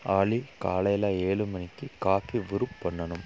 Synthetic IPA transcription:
aːɭikaːlɐjlaːeːɭɯmɐnɪkːɯkaːfiʋɪɾɯpːɐɳːɐnɯm

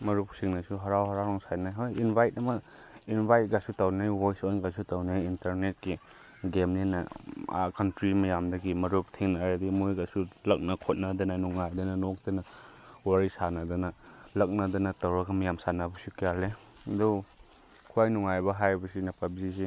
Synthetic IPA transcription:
mɐɾupsiŋnɐsuɦɐɾawɦɐɾawɾɔŋsajnajɦojinbʱajtɐmɐ | inbʱajt̚ɡasutawnajwojsonɡasutawnajintɐɾnet̚ki | ɡemninɐ̰a̰kʰantɾimɐjamdɐɡimɐɾup̚tʰiŋnaɾadimujɡasulɐk̚nɐkʰot̚nɐdɐnɐnuŋajdɐnɐnok̚dɐnɐ | waɾisanɐdɐnɐlɐk̚nɐdɐnɐtɐwɾɐɡɐmɐjamsanɐbɐsukijalːedu | kʰuajnuŋajbɐɦajbɐsinɐpabizisi

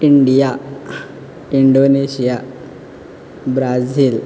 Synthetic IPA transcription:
iɳɖija | iɳɖoneɕija | bɾad͡ziːl

